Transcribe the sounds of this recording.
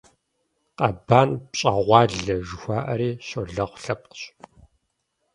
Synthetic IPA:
qɐbaːnpɕʼɐʁʷɑːɮɐʒɨxʷaːʔɐɾiːɕoɮɐʁʷɬɐp̚qɕ

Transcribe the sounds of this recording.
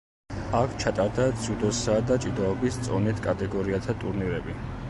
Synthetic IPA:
akʷʰt͡ʃʰat̪ʼaɾd̪ad̪z̥ud̪ɔsad̪at͡ʃʼid̪aɔbist̪sʼɔnit̪ʰkʼat̪ʼɛɡɔɾiat̪ʰat̪ʼuɾniɾɛbi

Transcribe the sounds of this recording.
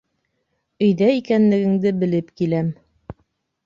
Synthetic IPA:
ɵ̆jðæikænlɘ̆ɡɘ̆ŋd̪ɘbɘ̆lɘpkilæm

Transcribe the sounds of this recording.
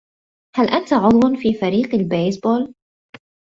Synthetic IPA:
halʔant̪aʕʊd̪ˤwanfiːfaɾiːqalbeːjsboːl

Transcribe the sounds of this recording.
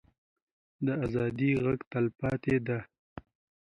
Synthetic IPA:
d̪əazɑd̪iɣaɡt̪alpɑt̪ed̪a

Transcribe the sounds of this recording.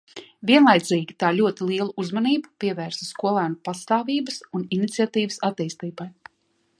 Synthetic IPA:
vʲiɛnlˠajd̪ziːɡʲit̪aːlʲuɔt̪ilˠiɛlˠuʔuzmaniːbupiɛvæːɾsaskuɔlˠæːnupast̪aːviːbəsuninit̪siat̪iːvəsat̪iːst̪iːbaj

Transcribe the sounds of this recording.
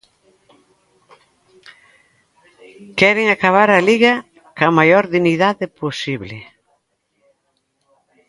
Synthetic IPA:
kɛɾɪŋakaβ̞aɾɐliɣɐ | kamajoɾðiniðaðɪposiβlɪ

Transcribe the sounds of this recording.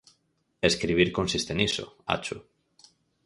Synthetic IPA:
eskɾiβ̞iɾkõnsist̪enisʊ̰a̰t͡ʃʊ

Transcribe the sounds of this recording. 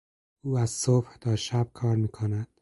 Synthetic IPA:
uːæz̥sobht̪ʰɒːʃæb̚kʰɒːɾmiːkʰonæd̪̥̚

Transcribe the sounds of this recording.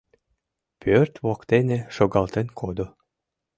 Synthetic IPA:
pʰʲørt̪βokt̪eneʃoɡɑlˠt̪enkʰod̪o

